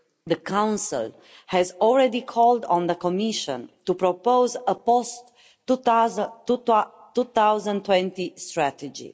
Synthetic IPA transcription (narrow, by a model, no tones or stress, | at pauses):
d̪əkʰãw̃nsḭl | hɛzɔlɹɛd̪ikʰɔldɔ̃nd̪əkɔmiʃə̰̃nt̪upɾopowzəpost | tːut̪awzə̃nt̪wɛ̃nt̪ist̪ɹæt̪əd͡ʒḭ